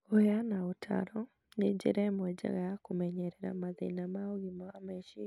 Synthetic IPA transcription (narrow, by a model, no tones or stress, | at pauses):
ojanaotʰa̰ɾɔ | ned͡ʒḛɾɛmwɛd͡ʒa̰ɣɡajakumɛɲɛɾɛɾa̰maðḛnamaoɣimaamɛʃi